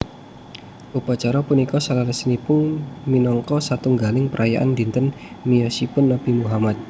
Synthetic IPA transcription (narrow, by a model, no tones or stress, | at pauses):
ʔupat͡ʃaɾapunikɔsalaɾəsənipʊnminɔŋkɔsat̪uŋɡalɪŋpəɾʔajaʔa̰ndint̪ən | mijɔsipʊnːapimuɦamat̪̚